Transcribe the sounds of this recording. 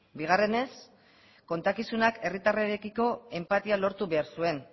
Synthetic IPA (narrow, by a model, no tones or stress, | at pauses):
biɣ̞are̞ne̞s | ko̞nt̪akisunake̞rit̪areɾekiko̞e̞mpat̪ialo̞ɾt̪uβe̞aɾsue̞n